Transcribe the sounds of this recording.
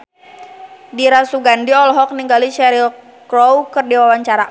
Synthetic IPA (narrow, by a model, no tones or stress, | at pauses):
diɾasuɡandiɔlɔɦɔk̚niŋɡaliʃɛɾil | kɾɔwkərdiwawaɲt͡ʃaɾa